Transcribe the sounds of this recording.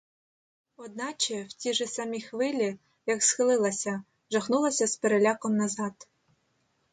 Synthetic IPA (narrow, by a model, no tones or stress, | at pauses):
ɔd̪nɑt͡ʃɛwtʲiʒɛsɐmʲixʋɪlʲi | jɐksxɪlˠɪlˠɐsʲɐ | ʒɐxnulˠɐsʲɐspeɾelʲɑkɔmnɐzɑt̪